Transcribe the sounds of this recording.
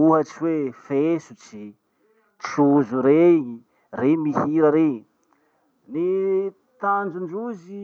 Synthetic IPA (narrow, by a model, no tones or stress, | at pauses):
uɦət͡ʃiwefesut͡ʃi | t͡ʃuzuɾe | remihiɾəɾe | ni | t̪and͡ʒuɳɖ͡ʐuzi